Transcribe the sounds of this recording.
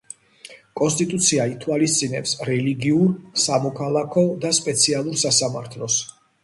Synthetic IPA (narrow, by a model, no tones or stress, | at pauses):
kʼɔnst̪ʼit̪ʼut̪sʰiait̪ʰwalist̪sʼinɛpsɾɛliɡiuɾsamɔkʰalˠakʰɔd̪aspʼɛt̪sʰialˠuɾsasamaɾt̪ʰlɔs